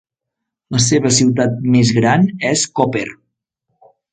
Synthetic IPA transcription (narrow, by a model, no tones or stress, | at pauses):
ləseβəsiwt̪at̪̚mezɣɾanɛskopeɾ